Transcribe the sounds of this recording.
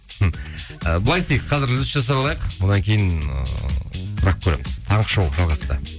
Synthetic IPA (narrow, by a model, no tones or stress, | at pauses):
əbʊlˠɑjɪst̪ejqqʰɑzɪɾlʲsʒɑs̬ɑɾɑlˠɑjəqwod̪ɑŋkʲʰe̞jɪnə̰t̪ʰʊɾɑq̚kʰʲɵɾe̞̰mɪz̥t̪ʰɑɴqəʃowʒɑlˠʁɑst̪ə